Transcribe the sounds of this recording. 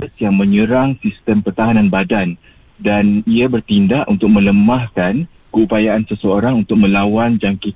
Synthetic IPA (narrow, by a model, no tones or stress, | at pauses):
sjaŋmə̃ɲəɾaŋsist̪əmpərt̪aɦanãnbadan | daniabərt̪indaʔʔunt̪ʊk̚mə̃ləmahkan | kəupajaʔansəsəoɾaŋunt̪ʊk̚mə̃lawand͡ʒaŋki